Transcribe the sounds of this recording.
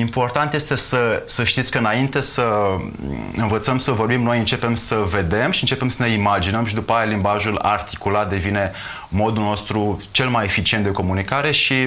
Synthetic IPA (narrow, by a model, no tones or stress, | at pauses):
impo̞rt̪ant̪je̞st̪e̞səsəʃt̪it̪sʲkəɨnaint̪e̞sə | ɨnvət̪səmsəvo̞rbimno̞jɨnt͡ʃe̞pe̞msəve̞d̪e̞mʃiɨnt͡ʃepe̞msəne̞imad͡ʒinəmʃid̪upəajalimbaʒula̰rt̪i̥kulat̪̚d̪e̞vine̞ | mo̞d̪ulno̞st̪ɾut͡ʃe̞lmaje̞fit͡ʃient̪d̪e̞ko̞munikaɾe̞ʃi